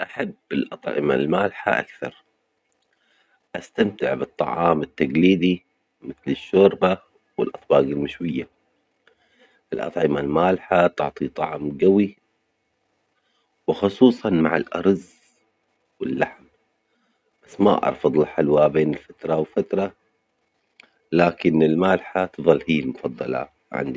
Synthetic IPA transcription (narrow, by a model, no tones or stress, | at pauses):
ʔaħabːɪlʔɑt̪ˤʕɪ̰ma̰lmaːlħa̰ʔa̰kθɑ̰ɾˤ | ʔast̪amt̪ɪʕbɨt̪ˤːɑ̰ʕɑːmɪt̪ːaɡliːd̪i | mɪθlɪʃːʊːɾba | wɪlʔɑt̪ˤbɑːɡɪlmɪʃwɪjːa | ʔɪlʔɑ̰t̪ˤʕɪmalmaːlħat̪ʊ̰ʕt̪ˤit̪ˤɑʕmɡawi | wɪxʊsˤuːsˤɑnma̰ʕa̰lʔɑɾˤz | wɪlːaħm | b̥asːma̰ʔɑ̰ɾˤfɑd̪ˤɪlħalwabeːnɪlfat̪ɾˤɑwɪfat̪ɾˤɑ | laːkɪnɪlmaːlħat̪ɨðˤɑlːhiːlmʊfɑd̪ˤːɑla̰ | ʕa̰nd̪i